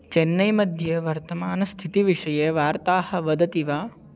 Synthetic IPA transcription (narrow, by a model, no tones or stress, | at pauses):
t͡ʃenːɐjmɐd̪ʱjɐʋɐɾt̪ɐmaːnɐst̪ʰit̪iʋiʂɐjeʋaːɾt̪aːhɐ̆ʋɐd̪ɐt̪iʋaː